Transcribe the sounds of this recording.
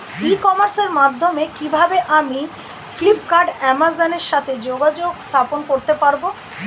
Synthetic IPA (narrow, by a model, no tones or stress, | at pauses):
ikɔmaɾseɾmad̪ʱːomekibʱabeʔami | flipkaɾɖɛmazoneɾʃat̪ʰed͡ʑoɡad͡ʑoɡst̪ʰaponkoɾt̪epaɾbo